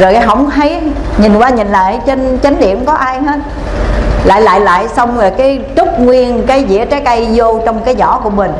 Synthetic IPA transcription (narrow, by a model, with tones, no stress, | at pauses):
zo˨˩jɦə˧˩wŋ͡mɦə˨˦j | ɲi˨˩nkwaː˧ɲi˨˩nla̰ː˧˨jt͡ɕe˧nt͡ɕa˨˦ŋ̟ɗḭ˧˨əmkɔ˨˦ʔaː˧jɦe˦˥t̚ | la̰ː˧˨jla̰ː˧˨jla̰ː˧˨jsə˧wŋ͡mlaː˨˩kaː˨˦jt͡ɕʊ˦˥k͡p̚ŋwi˧ənkaː˨˦jzḭ˧˥ət͡ɕaː˨˦jkʔa˧jzo˧t͡ɕɔ˧wŋ͡mkaː˨˦jzɔ̰˧˩ku˧˩əmï˨˩ŋ̟